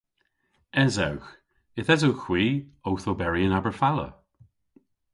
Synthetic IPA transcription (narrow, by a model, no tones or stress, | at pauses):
ɛzawx | ɪθɛzowxw̥iːowθobɛɹiənabəɹfalə̰